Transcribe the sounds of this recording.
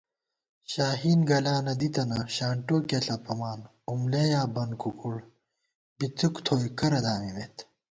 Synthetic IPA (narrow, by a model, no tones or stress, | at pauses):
ɕaːɦiːnɡɐlaːnɐd̪it̪ɐnɐɕaːɳʈoːkeɬɐpɐmaːn | umlejaːbɐnkukuɽ | bit͡sukt̪ʰoːjkɐɾɐd̪aːmimet̪